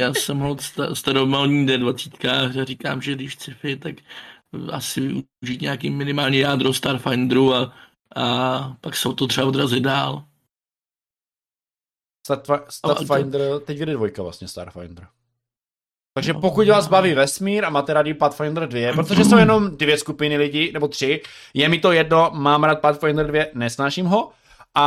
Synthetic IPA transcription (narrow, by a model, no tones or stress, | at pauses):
jaːsɛmɦolst̪ast̪aɾomalɲidɛdvat͡sit̪kaaɾika̰ːmʒɛdɪʃt͡sɪfɪt̪ak | asɪvɪuɪuʒiːt̪ɲaakiːmɪnɪmaːlɲɛjaːd̪ɾost̪aɾfajnd̪ɾua | ʔapaksɛot̪ot̪r̥ɛaodɾazɪdaːl | st̪at̪fast̪aɾfajnd̪ɾt̪ɛcvɛdɛdvojkavla̰sɲɛst̪a̰ːɾfa̰jnd̪ɾ̩ | t̪aɡʒɛpokucvaːzbaviːvɛsmiːɾamaːt̪ɛɾadɪpat̪fajnd̪r̩dvjɛpɾot̪oʒɛsowjɛno̞mdvjɛskupɪnɪlɪɟɪnɛbo̞t̪r̥ɪjɛmɪt̪o̞jɛdno̞maːmɾaːt̪̚pat̪fajnd̪r̩dvjɛnɛsnaːʃimɦo̞ | ʔa